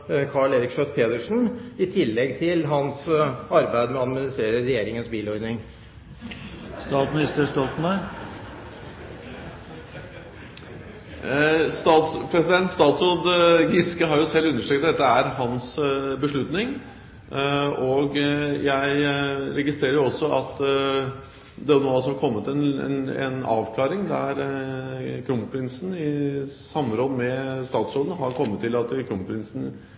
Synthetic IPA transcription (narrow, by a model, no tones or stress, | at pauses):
kʰɑɭeːɾɪkʂœt̪̚pʰeːd̪əʂn̩ɪt̪ʰɪlːɛɡt̪ʰɪlɦɑnsɑɾbæɪd̪mɛɑd̪mɪnɪst̪ɾeːɾəɾɛjeːɾɪŋənsbiːlɔɾnɪŋ | st̪ɑːt̪mnɪst̪əʂʈɑːt̪n̩æɾ | st̪ɑːt̪spʰɾɛsɪd̪ɛnt̪st̪ɑːt̪sod̪ɡɪskəɦɑɾjʊsɛlːʉnːəʂʈɾɛkt̪̚d̪ɛt̪ːəæɾɦɑnsbəʂɭʉt̪nɪŋ | oɡjæɪɾɛɡɪst̪ɾeːɾəjʊɔsːɔɑt̪ | d̪ɛɔnoːsɔmhɑɾkʰɔmːət̪ɛnɛ̰ɛ̰nɑ̰ːʋkʰlɑːɾɪŋd̪æɾ | kʰɾʊmpʰɾɪnsn̩ɪsɑmːəɾoːd̪mɛst̪ɑːt̪sɾoːd̪n̩ɦɑɾkʰɔmːət̪ʰːɪlɑt̪kʰɾʊmpʰɾɪnsn̩